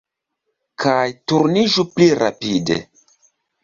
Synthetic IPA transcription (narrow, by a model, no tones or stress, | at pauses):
kʰajtuɾniʒupliɾa̰pidḛ